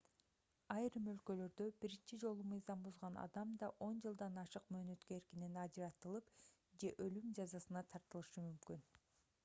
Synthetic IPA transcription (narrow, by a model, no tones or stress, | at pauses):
ɑjɾɯmø̞lkø̞lø̞ɾd̪ø̞biɾint͡ʃid͡ʒo̞lˠumɯjzɑmbuzʁɑnɑ̰d̪ɑmd̪ɑʔo̞nd͡ʒɯlˠd̪ɑnɑʃɯqmø̞ːnø̞t̪køeɾkininɑd͡ʒiɾɑt̪ɯlˠɯp | d͡ʒe̞ʔølymd͡ʒɑzɑsɯnɑt̪ʰɑɾt̪ɯlˠɯʃɯmymkyn